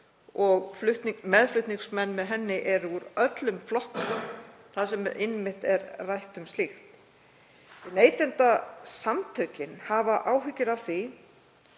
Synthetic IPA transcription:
ɔɣflʏht̪nmɛðflʏht̪niŋksmɛnːmɛðɦɛnːɪʔɛɾuɾœt̪lʏmflɔhkʏ | θaðsɛmɪnmɪht̪ɛɾrajht̪ʏmst̪ɪxt̪ | ɪneːjt̪ɛnt̪asamt̪ʰœːcɪnhavaʔaːwɦʏcːɪɾawθi

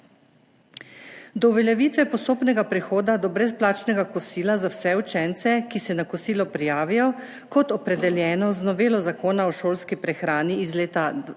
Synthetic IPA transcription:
d̪ɔuʋɛljɛʋiːt̪ʋɛpɔst̪oːpnɛɡapɾɛxoːd̪ad̪ɔbɾɛsplaːt͡ʃnɛɡakɔsiːlazawsɛut͡ʃɛnt̪sɛkisɛnakɔsiːlɔpɾijaːʋijɔ | kɔt̪ɔpɾɛd̪ɛljɛːnɔznɔʋeːlɔzakoːnaɔʃoːlskipɾɛxɾaːniːzleːt̪a

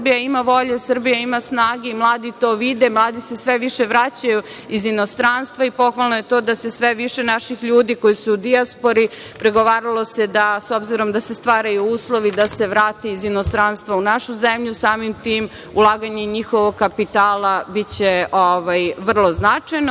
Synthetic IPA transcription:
bijaimaʋo̞ʎesər̩bijaimasnaːɡeimlˠaːd̪it̪o̞ːʋid̪e̞mlˠaːd̪ise̞sʋeʋiʃeʋɾat͡ɕaju | izino̞st̪ɾanst̪vʋaipo̞xʋalˠnoje̞t̪o̞ːd̪asesʋeʋiʃe̞naʃixʎuːd̪iko̞jisuːd̪iaspo̞ɾi | pɾeɡo̞ʋaːɾalˠo̞se̞d̪aso̞bziɾo̞md̪asest̪ʋaːɾajuuːslˠo̞ʋid̪ase̞ʋɾaːt̪eizinost̪ɾanst̪ʋaunaʃuzemʎusaːmimt̪iːm | ulˠaːɡaɲeɲixoʋoɡ̚kapit̪aːlˠabit͡ɕeoʋajʋr̩lˠo̞znat͡ʂajn

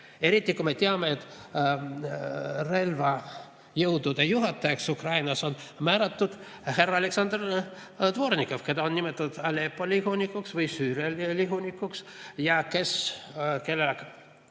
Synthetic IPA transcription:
e̞ɾit̪ʲːˑikume̞t̪eɑme̞et̪ːˑ | re̞lvɑ | jɤwd̪ud̪̥ejuɦɑt̪ːˑɑeksukrɑjnɑso̞nmæːɾɑt̪ːud̪̥ | he̞rɑɑleksɑnd̪̥r | t̪voɾnʲikːˑofke̞d̪ɑonnimet̪ːˑɑud̪ɑlepːˑolʲiɦunikːˑuksvɯjsyːɾjɑliliɦunʲikːˑuksjɑke̞ske̞lːelek

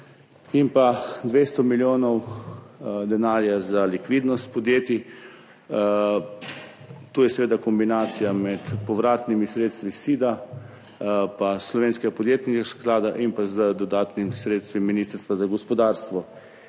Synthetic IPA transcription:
impad̪ʋeːst̪ɔmiljoːnɔw | d̪ɛnaːɾjazalikʋiːd̪nɔst̪pɔd̪jeːt̪i | t̪oːjɛsɛʋeːd̪akɔmbinaːt̪sijamɛt̪pɔʋɾaːt̪nimisɾeːt̪st̪ʋisiːd̪a | paslɔʋeːnskɛɡapɔd̪jeːt̪niɡasklaːd̪aʔimpazd̪ɔd̪aːt̪nimsɾeːt̪st̪ʋimːiniːst̪əɾst̪ʋazaɡɔspɔd̪aːɾst̪ʋɔ

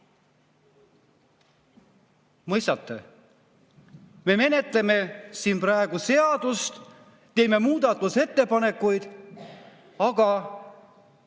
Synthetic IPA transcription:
mɤjst̪ɑt̪ˑːe | me̞me̞ne̞t̪le̞me̞siːnprɑeɡ̥use̞ɑd̪̥ust̪ː | e̞ːme̞muːd̪ɑt̪ːˑuse̞t̪ːe̞pɑne̞kːujd̪̥ | ɑɡ̥ɑ

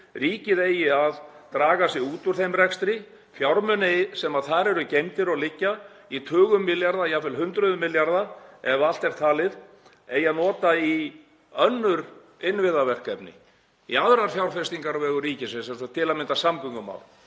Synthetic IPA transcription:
riːcɪðejːɪaðt̪ɾaːɣasɪɣuːt̪ʏɾ̥θejmrɛkst̪ɾɪ | fjawɾmœnɪsɛmaðθaɾɛɾʏcejmt̪ɪɾɔɣlɪcːa | it̪ʰʏːɣʏmːɪljaɾðaiafɪlɦʏnt̪ɾʏðʏmːɪljaɾðaɛval̥t̪ɛɾ̥t̪ʰaːlɪð | ejːaðnɔːt̪ai | œnːʏɾ | ɪnvɪðavɛr̥kɛpnɪ̰ | ḭaðɾaɾfjawɾ̥fɛst̪iŋkaɾvɛːɣʏriːcɪsɛmsɛmst̪at̪ʰɪlaðmɪnt̪asamkʏŋkʏma̰ːwl

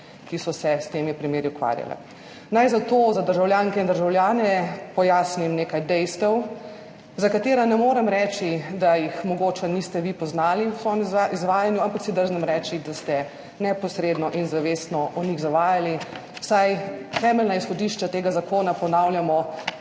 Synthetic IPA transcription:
kisɔsɛst̪eːmipɾimeːɾiukʋa̰ːɾja̰lɛ̰ | najzat̪oːzad̪əɾʒawljaːŋkɛind̪əɾʒawljaːnɛpɔjaːsnimneːkajd̪ɛjst̪ɛw | zakat̪eːɾanɛmoːɾɛmɾɛːt͡ʃid̪ajixmɔɡoːt͡ʃɛnist̪ɛʋipɔznaːliusɔmizʋaːjanjuampaksid̪əɾznɛmɾɛːt͡ʃid̪ast̪ɛ | nɛpɔsɾeːd̪nɔʔinzaʋeːsnɔʔɔniɣzaʋaːjali | wsajt̪ɛːmɛlnaisxɔd̪iʃt͡ʃat̪eːɡazakoːnapɔnawljamɔ

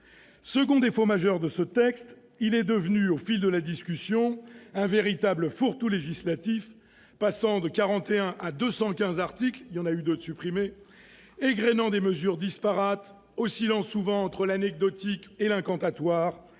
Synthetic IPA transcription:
səɡɔ̃d̪efomaʒœʁd̪əsət̪ɛkst̪ | ilɛd̪əvnyofild̪əlad̪iskʲysjɔ̃ɛ̃veʁit̪abləfuʁt̪uleʒislat̪if | pasɑ̃d̪əkaʁɑ̃t̪eɛ̃ʔad̪øsɑ̃kʲɛ̃zaʁt̪ikljɑ̃nayd̪ot̪sypχime | eɡʁenɑ̃d̪eməzyʁd̪ispaʁat̪ | osilɑ̃sːuvɑ̃ːt̪χəlanɛɡ̚d̪ɔt̪ikelɛ̃kɑ̃t̪at̪waːʁ

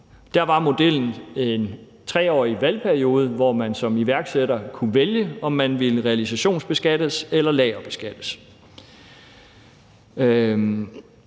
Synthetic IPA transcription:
d̥æɐʋɑ̈mo̝d̥el̰n̩e̝n | t͡sʰʁɛ̰ːɒ̰ːiʋælpʰæɐio̝ːð̞ˠʋɒmænsɒ̽miʋæɐɡ̥seɾ̥ɐkʰuʋeljəɒ̽mːænʋiləʁɛælisæɕo̝̰ːnsb̥e̝sɡ̥æd̥əselɐlɛːɐb̥e̝sɡ̥æd̥əs

